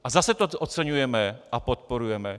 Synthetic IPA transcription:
ʔazasɛt̪ot̪ʔot͡sɛɲujɛmɛʔapot̪̚poɾujɛmɛ

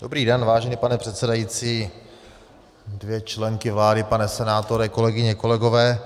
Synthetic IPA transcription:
dobɾiːdɛnvaːʒɛniːpanɛpr̥ɛt̪sɛdajit͡siː | dvjɛt͡ʃlɛŋkɪvlaːdɪpanɛsɛnaːt̪oɾɛko̞lɛɡɪɲɛko̞lɛɡovɛː

